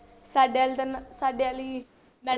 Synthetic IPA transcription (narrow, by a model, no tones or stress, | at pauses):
saːɖealt̪ansaːɖeaːliː | mɛ̃ː